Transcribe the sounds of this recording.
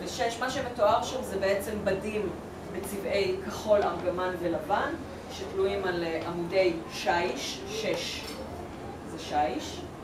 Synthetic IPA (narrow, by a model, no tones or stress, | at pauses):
veʃeʃmaʃemetoaʁʃamzebeet͡sembadim | bet͡sivʔe̞jkaχo̞lamɡamanvelavan | ʃetluimalʔamude̞jʃajiʃː | eʃ | zeʃajiʃ